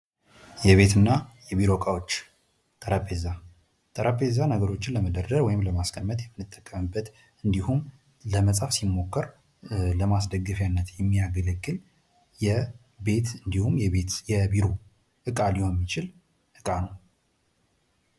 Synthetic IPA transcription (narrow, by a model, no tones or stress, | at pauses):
jɛβe̞t̪ɨnːajɛβiɾo̞kʼawo̞t͡ʃː | t̪ʼəɾəpʼeza | t̪ʼəɾəpʼezanəɡəɾo̞t͡ʃːɪnləməd̪əɾd̪əɾwɔjɪmləmaskʰəmːət̪jɛmːɨnːɨt̪ʼːəkʼːəmɨbːət̪ | ɨnd̪ihum | ləməsʼafsimːo̞kːəɾ | ləmasd̪əɡːɨfjanːət̪jɛmːijaɡəlɨɡːɨl | jɛ | be̞t̪ɨnd̪ihumjɛβet̪jɛbiɾo | ʔɨkʼalihonmːit͡ʃɪl | ʔɨkʼanəw